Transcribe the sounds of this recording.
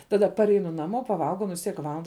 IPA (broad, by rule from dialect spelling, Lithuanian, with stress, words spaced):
ˈtɑːˌdɐ pɐrʲˈɛɪnʊ nɐˈmoː pɐˈʋɐlˠɡɐʊ ˈnʊ ʋʲɪs ˈtʲiɛk ˈʋɑːlˠɐndɐ